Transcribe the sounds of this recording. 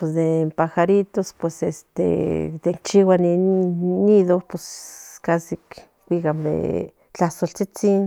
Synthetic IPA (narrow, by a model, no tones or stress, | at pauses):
pos̬d̪empaxaɾit̪ospwesḛst̪ḛd̪eŋkt͡ʃiwaninːiðoposkasik | kʷikamd̪ḛ | t͡ɬahsolt͡sit͡sin